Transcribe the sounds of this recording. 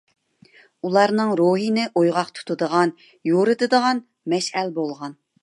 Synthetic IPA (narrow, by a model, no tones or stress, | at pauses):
ulˠɑɾnɨŋɾoɦinɪʔojʁɑqt̪ʰu̥t̪ʰud̪əʁɑn | joɾɨd̪ɨd̪əʁɑn | mɛʃɛlbolˠʁɑn